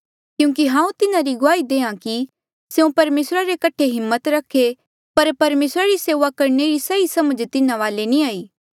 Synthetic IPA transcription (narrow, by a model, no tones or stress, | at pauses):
kjũːk̬iɦãːũt̪ɪnaɾiɡʊaːid̪eːãki | seũpɐɾmeːsɾaɾekɐʈʰeɦɪmːət̪ɾɐkʰːe | pɐɾpɐɾmeːsɾaɾiseːʋakɐɾneɾisɐisɐməd͡ʒt̪ɪnãʋaːlenĩaːiː